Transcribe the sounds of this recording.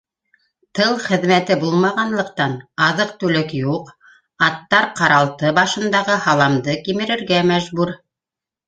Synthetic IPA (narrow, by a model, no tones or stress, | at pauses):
t̪ɤlˠχɘ̆ðmæt̪ɘbulˠmɑʁɑnlˠɤ̆q̚t̪ɑnɑðɤq̚t̪ʉlɘkjuq | ɑt̪ːɑɾqɑɾɑlˠt̪ɤbɑʃɤ̆nd̪ɑʁɤhɑlˠɑmd̪ɤkimɘ̆ɾɘ̆ɾɡæmæʒbuɾ